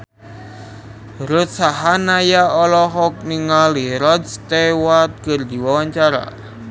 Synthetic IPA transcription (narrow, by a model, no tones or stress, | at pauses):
ɾʊt̪̚saɦanajaɔlɔɦɔk̚niŋaliɾɔd̪st̪ewat̪̚kərd̪i̤wawaɲt͡ʃaɾa̰